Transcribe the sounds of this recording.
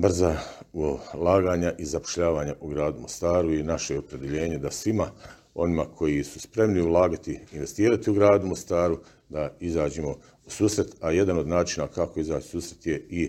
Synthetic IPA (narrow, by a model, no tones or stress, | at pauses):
br̩zaulaːɡaːɲaʔizapo̥ʃʎaːʋaːɲaʔuɡɾaːd̪umo̞st̪aːɾuinaʃejeo̞pɾe̞d̪eʎe̞ːɲe̞d̪asʋima | o̞̰nimakʰo̞jisuspɾe̞mniulˠaːɡat̪iːnʋe̞st̪iːɾat̪iuɡɾaːd̪umo̞st̪aːɾu | d̪aizaːd͡ʑemo̞ | usuːsɾe̞t̪aje̞d̪ano̞d̪naːt͡ʃinakako̞izaːt͡ʃi̥suːsɾet̪je̞i